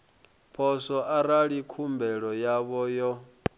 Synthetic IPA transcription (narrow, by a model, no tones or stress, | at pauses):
pʰɔsɔʔaɾaɺikʰumbɛɺɔjaβɔjɔ